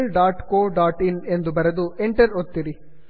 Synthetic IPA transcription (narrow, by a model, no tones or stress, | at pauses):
lɖaːʈkoːɖaːʈɪnɛnd̪ɯbɐɾɐðɯɛɳʈɐɾɔt̪ːɪɾi